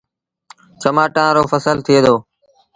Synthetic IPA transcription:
t͡ʃəmaːʈãːɾoːfəsəlt̪ʰɪeːd̪oː

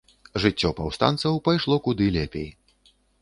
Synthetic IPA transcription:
ʐɨt͡sʲːɔpawst̪a̰nsɐwpajʂlˠɔkud̪ɨlʲɛpʲej

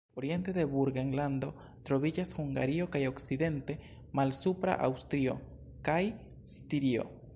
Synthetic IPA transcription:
oɾjent̪eðeβuɾɡeŋland̪o̞ | t̪ɾoβid͡ʒashuŋɡa̰ɾiokajoksiðent̪e | malsupɾa̰ʔa̰wst̪ɾio̰ | kaj | st̪iɾio̰

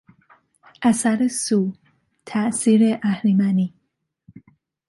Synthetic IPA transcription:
ʔæsæɾesuː | t̪ʰæʔsiːɾeʔæhɾimæni

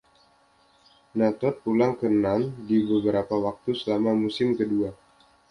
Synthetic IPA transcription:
nat̪ɔt̪̚pulaŋkənandibəbəɾapawak̚t̪usəlamamusɪmkədua

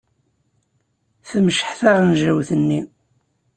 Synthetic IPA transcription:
θəmʃħθaʁnʒæwθənːi

